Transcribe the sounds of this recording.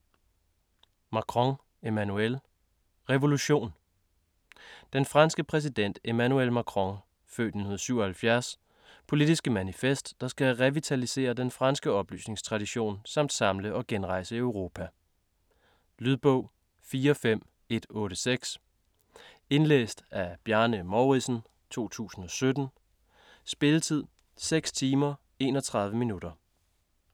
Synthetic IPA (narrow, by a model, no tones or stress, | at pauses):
mɑ̈kʰʁɔŋ | e̝mænuel | ʁɛʋo̝luɕo̝̰ːn | d̥enfʁɑ̈nsɡ̥əpʰʁɛs̬id̥en̰d̥e̝mænuelmækʰʁɔŋ | fø̰ːd̥ninhuðˠɐsyʊ̰ɒhælfjæɐs | pʰo̝lid̥isɡ̥əmænifesd̥ːɑ̈sɡ̥æʁɛʋit͡sʰælise̝̰ːɐd̥enfʁɑ̈nsɡ̥əɒ̽b̥ly̰ːsne̝ŋst͡sʰʁɑ̈ɾ̥iɕo̝̰ːnsɑ̈m̰d̥sɑ̈mləʔɒ̽ɡ̥enʁɑ̈ɪ̰səøʊʁo̝ːpʰæ | lyðˠb̥ɔʊ̰ | fiːɐfem̰ | e̝d̥ɔ̽ːɾ̥əseɡ̥s | e̝nlḛːsd̥æb̥jæɐnəmɒʊʁisn̩ | t͡sʰo̝̰ːt͡sʰṵːsn̩ɒ̽sød̥n̩ | sb̥e̝lət͡sʰið̞̰ˠ | seɡ̥st͡sʰiːmɐ | e̝̰ːnɒ̽t͡sʰʁɑ̈ð̞ˠʋəminud̥ɐ